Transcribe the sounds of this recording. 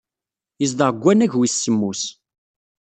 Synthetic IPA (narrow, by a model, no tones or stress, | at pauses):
jəzd̪əʁɡʷːænæʝwisːəmːus